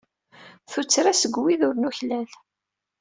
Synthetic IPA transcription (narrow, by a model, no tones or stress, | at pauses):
θut͡sːɾasəɡwiðʊɾnuçlæl